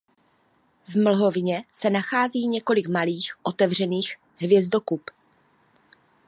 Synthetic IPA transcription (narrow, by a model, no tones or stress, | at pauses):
vml̩ɦo̞vɪɲɛsɛnaxaːziːɲɛko̞lɪkmaliːxʔo̞t̪ɛvr̝ɛniːx | ɦvjɛzdo̞kup